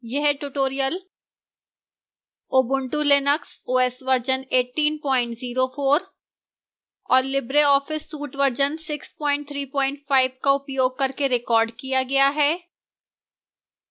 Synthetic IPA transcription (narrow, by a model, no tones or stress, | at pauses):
jɛɦɛʈuʈoːɾijəl | oːbʊ̃ɳʈulenəksoːɛsʋɐɾd͡ʒəneːʈiːnpɔ̃ːɪ̃ɳʈziːɾofoːɾ | ɔːɾlɪbɾeɔːfɪsːuːʈʋɐɾd͡ʒənsɪkspɔ̃ːɪ̃ɳʈ̚t̪ʰɾiːpɔ̃ːɪ̃ɳʈfaːɪbkaʊpjoːɡ̚kɐɾkeɾɪkɔːɾɖkijaɡɐjaɦɛː